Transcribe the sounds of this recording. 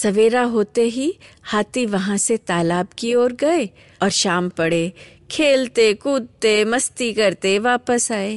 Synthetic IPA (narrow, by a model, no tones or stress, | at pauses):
sɐʋeːɾaɦoːt̪eɦihaːt̪iʋɐɦãset̪aːlaːbkioːɾɡɐe | ɔːɾʃaːmpɐɽe | kʰeːlt̪ekuːd̪̚t̪emɐst̪ikɐɾt̪eʋaːpəsaːeː